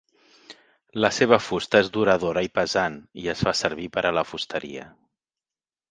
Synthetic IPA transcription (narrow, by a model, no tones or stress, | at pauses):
ləseβ̞əfust̪əezd̪uɾəð̞oɾəipəzaniəsfasəɾβ̞ipəɾʔələfust̪əɾḭə̰